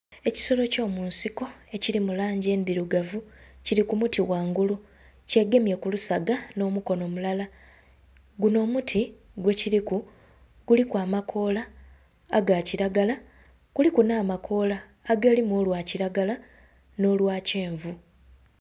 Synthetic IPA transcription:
e̞ci̥so̞lo̞co̞ːmuːnsiko̞e̞ciɾimulaːɲɟe̞ːndiɾuɡavuciɾikumutiwaːŋɡulu | ce̞ɡe̞mjekulusaɡano̞ːmuko̞no̞mulala | ɡuno̞ːmutʰi | ɡwe̞ciɾiku | ɡ̥ulikwaːmakʰo̞ːla̰ː | ɡaciɾaɡala | ɡ̥ulikunaːmakʰo̞ːlaː | ɡelimwoːlwaːciɾaɡala | no̞ːlwaːce̞ːɱvu

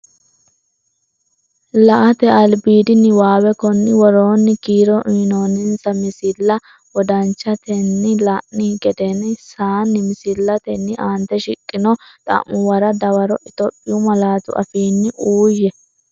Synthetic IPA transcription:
lɐʔɐt̪ɛɐlbiːd̪ɪnɪwaːwɛkɔnːɪwɔɾo̞ːnːɪkiːɾɔʔinoːnɪnsɐmɪsɪlːɐ | wɔd̪ɐnt͡ʃːɐt̪ɛnːɪlɐʔnɪɡɛd̪ɛnɪsaːnːɪmɪsɪlːɐt̪ɛnːɪʔaːnt̪ɛʃɪkʼːɪnɔt̪ʼɐ̰mːʊwɐɾɐd̪ɐwɐɾɔʔɪt̪ɔpʼːɪjʊmɐlaːt̪ʊ̰ʔɐ̰fiːnːɪʔuːjɛ

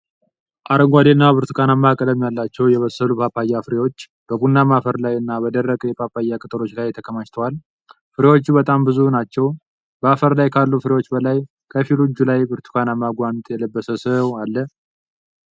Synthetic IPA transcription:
ʔaɾəŋɡʷad̪enːabɨɾt̪ʰu̥kʰanamːakʼələmjalːat͡ʃːɛwjɛβəsəlupʰapajːafɨɾewo̞t͡ʃː | b̥əbunːamafəɾlajɨnːabəd̪ərːəkʼjɛpʰapːajːakʼɨt̪ʼɨɾo̞t͡ʃːlajt̪ʰəkʰəmat͡ʃt̪ʰəwal | fɨɾewo̞t͡ʃːubət̪ʼambɨzunat͡ʃːɛw | bəafəɾlajkʰalːufɨɾewo̞t͡ʃːbəlaj | kʰəfilud͡ʒːulajbɨɾt̪ʰu̥kʰanamːaɡʷant̪ʼjɛləbːəsəsəwalːə

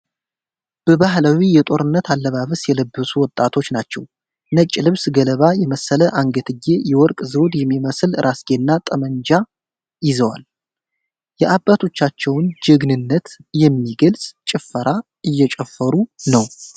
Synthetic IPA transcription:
b̥əβaɦlawijɛt̪ʼo̞ɾɨnːət̪ʰalːəβaβəsjɛləbːəsuwɔt̪ʼːat̪ʰo̞t͡ʃːnat͡ʃːɛw | nət͡ʃʼːilɨβsɡələβajɛməsələʔaŋɡət̪ʰɨɡe̞jɛwɔɾkʼzəwd̪jɛmːiməslɨɾʔasɡenːat̪ʼəməɲd͡ʒa | jɪzəwa̰l | jɛʔabːat̪ʰo̞t͡ʃːat͡ʃːɛwnd͡ʒɪɡnɨnːət̪jɛmːiɡəlsʼt͡ʃʼɪfːəɾʔa | ʔɨjːɛt͡ʃʼɛfːəɾunəw

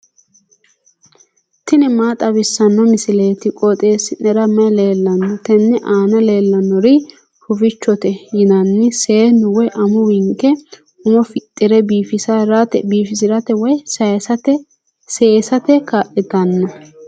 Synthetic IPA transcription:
t̪ɪnɛmaːt̪ʼɐbɪsːɐnːɔmɪsɪle̞ːt̪ɪkʼɔt̪ʼe̞ːsɪnɛɾɐmɐjle̞ːlːɐnːɔt̪ɛnːɛʔaːnɐle̞ːlːɐnːɔɾɪ | hʊfɪt͡ʃːɔt̪ɛjɪnɐnːɪse̞ːnʊwɔjʔɐmʊwɪŋkːɛ | ʊmɔfɪt̪ʼːɪɾɛbiːfɪsɐɾɐtɛbiːfɪsɪɾɐt̪ɛwɔjsɐt̪ɛ | seːsɐt̪ɛkaːʔɪt̪ɐnːɔ

